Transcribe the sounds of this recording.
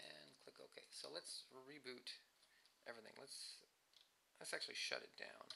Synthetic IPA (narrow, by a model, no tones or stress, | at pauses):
ʔɨ̃nkʰl̥ɪkoʊkʰeɪsoʊlətsɹibʉɾ | ʔɛvɹiθɪ̰̃ŋləts | lɨtsæk̚t͡ʃʉl̩ˠiʃʌ̰ɾɨ̰t̚d̥ã̰ʊ̃n